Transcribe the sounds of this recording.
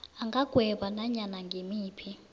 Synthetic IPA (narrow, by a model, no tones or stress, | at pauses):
aŋɡʱaɡ̥ʱwɛɓanaɲanaŋɡʱemiːpʰi